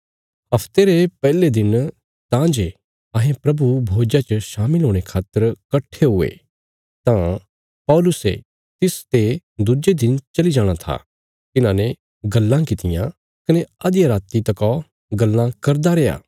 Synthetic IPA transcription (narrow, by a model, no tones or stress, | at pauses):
ɦɐpʰt̪eɾepɛːled̪ɪn | t̪ãːd͡ʒe | ɐɦẽpɾɐbubʱoːd͡ʒat͡ʃəʃaːmɪlɦoːɽ̃ekʰaːt̪əɾkɐʈʰːeɦʊḛ | t̪ã | pɔːlʊsḛ | t̪ɪst̪ed̪ud͡ʒed̪ɪnt͡ʃɐlid͡ʒaːɽ̃at̪ʰa̰ | t̪ɪnãnɛ | ɡɐlːãkɪt̪ɪjã | kɐneɐd̪jaɾaːt̪it̪ɐkɔ | ɡɐlːãkɐɾd̪aɾɛːja̰ː